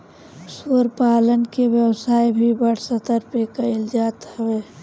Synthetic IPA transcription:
soːɾpaːlənkeʋjəwsaːibʱibəɽ̤sət̪əɾpekəɪld͡ʒaːt̪ɦəweː

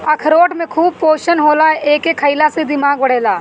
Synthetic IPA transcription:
ɐkʰəɾoːʈmẽkʰuːb̚poːʃənɦoːlaɦɛʔeːkekʰəɪlased̪ɪmaːɡ̚bɐɽ̤eːlaː

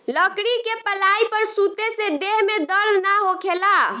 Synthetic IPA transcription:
ləkɽikepəlaipəɾsut̪esed̪eɦmed̪əɾd̪ʱnaɦokʰela

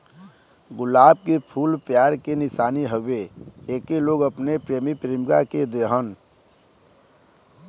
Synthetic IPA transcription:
ɡʊlaːb̚kepʰulpjaɾkenɪsaːniɦəbeekeloɡəpnepɾemipɾemɡa̰ked̪eɦən

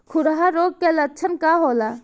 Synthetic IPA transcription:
kʰʊɽɦaɾoːɡ̚kelətːt͡ʃʰənkaɦola

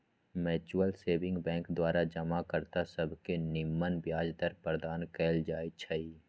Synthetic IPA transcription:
mɛːt͡ʃuəlseːbɪ̃ŋɡbɛ̃ːŋkd̪waːɾad͡ʒɐmakəɾt̪asɐbʱkenɪmːənbjaːd͡ʒd̪əɾpəɾd̪aːnkɛːld͡ʒaːit͡ʃʰɐi

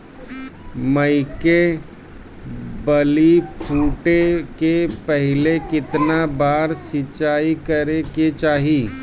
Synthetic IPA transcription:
məɪke | bəlipʰuːʈekepɛɦɪlekɪt̪nabaːɾsɪt͡ʃaːikəɾeket͡ʃaːɦiː

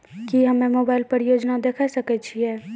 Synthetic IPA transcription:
kiɦɐmẽmoːbaːɪlpəɾjoːd͡ʒnad̪eːkʰasɐket͡ʃʰiɦɛː

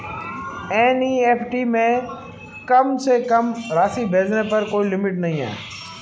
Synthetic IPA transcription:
ɛːniːeːpʰʈiːmẽː | kɐmsekɐmɾaːsibʱeːd͡ʒnepɐɾkoːilɪmɪʈnɐɦĩːɛ̰ː

